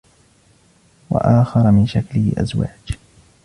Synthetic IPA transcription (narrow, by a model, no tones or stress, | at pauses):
wa̰ʔaːxɑɾˤɑmɪnʃaklɪhɪ̰ʔa̰zwa̰ːd͡ʒ